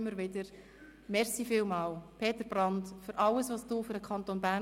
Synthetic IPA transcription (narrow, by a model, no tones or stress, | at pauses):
ɪmːəɾʋɪdəɾ | mɛɾsiːfɪːlmɑːlpʰeːt̪əɾb̥ɾɑndfʏɾʔɑləsʋɑːsd̥uːfʏɾdəkʰχɑnt̪onbæ